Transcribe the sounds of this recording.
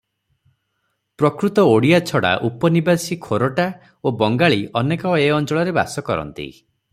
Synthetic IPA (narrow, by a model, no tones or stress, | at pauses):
pɾɔkɾut̪ɔoɽiat͡ʃʰɔɽa̰ʔupɔnibasikʰoɾoʈa | obɔŋɡaɭiʔɔnekɔeɔnt͡ʃɔɭɔɾeba̰sɔkɔɾɔ̰nt̪ḭ